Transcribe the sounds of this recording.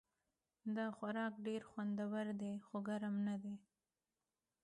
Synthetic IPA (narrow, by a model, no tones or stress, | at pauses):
d̪ɑxaɾɑkɖeɾxwand̪awaɾd̪exoɡaɾamnad̪e